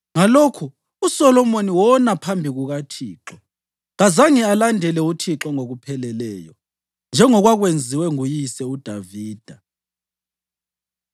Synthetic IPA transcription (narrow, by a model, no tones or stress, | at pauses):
ŋalokʰu | usɔlɔmoniwɔnapʰambʱiɣuɣatʰiːǁɔ | ɣazaŋialandʱɛlɛutʰiǁɔŋoɣupʰɛlɛlɛːjɔ | nd͡ʒʱɛŋɔɣwaɣwend͡zʱiwɛŋujisɛud̥ʱaviːd̥ʱa